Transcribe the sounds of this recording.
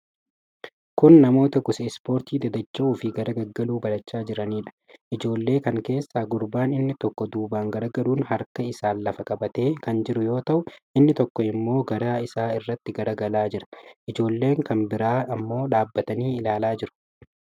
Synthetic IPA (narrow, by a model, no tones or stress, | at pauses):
kʊnːɐmo̞ːt̪ɐɡʊsɛspo̞ːɾt̪iːd̪ɛd̪ɐt͡ʃːuːfɪɡɐɾɐɡɐɡːɐluːbɐlɐt͡ʃːaːd͡ʒɪɾɐniːᶑɐ̥ | ʔɪd͡ʒo̞ːlːe̞ːkɐŋke̞ːsːaːɡʊɾbaːnɪnːɪt̪ɔkːɔd̪uːbaːŋɡɐɾɡɐᶑuːnɦɐɾkɐɪsaːnlɐfɐkʼɐbɐt̪e̞ːkɐnd͡ʒɪɾʊjo̞ːt̪ɐʔʊʔɪnːɪt̪ɔkːɔɪmːo̞ːɡɐɾaːɪsaːɪrːɐt̪ːɪɡɐɾɐɡɐlaːd͡ʒɪɾɐ̥ʔɪd͡ʒo̞ːlːe̞ːŋkɐnbɪɾaːɐmːo̞ːᶑaːbːɐt̪ɐniːɪlaːlaːd͡ʒɪɾʊ̥